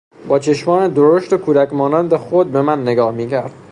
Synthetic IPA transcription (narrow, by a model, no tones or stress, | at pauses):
bɒːt͡ʃʰe̞ʃmɒːned̪oɾoʃt̪ekʰuːd̪ækmɒːnænd̪exod̪̚be̞mænːeɡɒːhmiːcʰæɾd̪̥